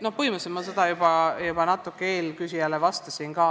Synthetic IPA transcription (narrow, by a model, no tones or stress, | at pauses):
no̞hpɤjmusemɑsed̪̥ɑjub̥ɑjub̥ɑnɑt̪ːˑukːˑee̞ːlkysʲijælevɑst̪ɑsinɡɑː